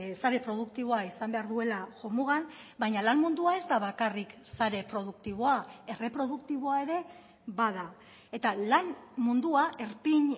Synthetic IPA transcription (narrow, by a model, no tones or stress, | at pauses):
saɾe̞pɾo̞ð̞ukt̪iβ̞o̞aisambe̞aɾðue̞laʝomuɣanbajɲalanmund̪uae̞zd̪aβakarik | saɾe̞pɾo̞ðukt̪iβ̞o̞ae̞re̞pɾo̞ðukt̪iβ̞o̞ae̞ɾe̞ | βað̞a | e̞t̪alanmund̪uaʔe̞ɾpiɲ